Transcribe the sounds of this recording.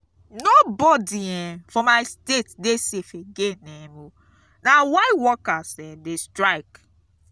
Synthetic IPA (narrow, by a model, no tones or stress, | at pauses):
nobɔdiɛ̃fɔmaɪstetdesefeɡenɛmo | nawaɪwɔkasɛdestɹaɪk